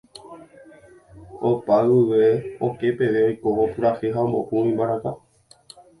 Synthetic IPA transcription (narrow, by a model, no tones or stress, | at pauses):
opaɨʋe̞oke̞pe̞ʋe̞ojkoopɨɾaheɦaombo̰ʔuĩmbaɾaka